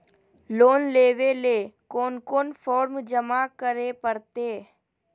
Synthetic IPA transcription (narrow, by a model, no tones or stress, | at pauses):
loːnleːʋeleːkoːnkoːnfʰɔːɾmd͡ʒəmakəɾepəɾt̪eː